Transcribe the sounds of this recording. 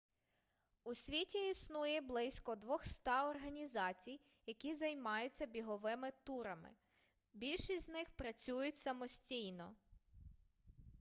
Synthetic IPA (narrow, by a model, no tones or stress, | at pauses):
usʲʋʲitʲiisnujɛblˠɪsʲkɔd̪ʋɔxst̪ɑɔrɦɐnʲizɑt͡sʲij | jɐkʲizɐjmɑjʊt͡sʲːɐbʲiɦɔʋɪmɪt̪uɾɐmɪ̰ | bʲilʲʃisʲzʲnɪxpɾɐt͡sʲujʊtʲsɐmɔsʲtʲijnɔ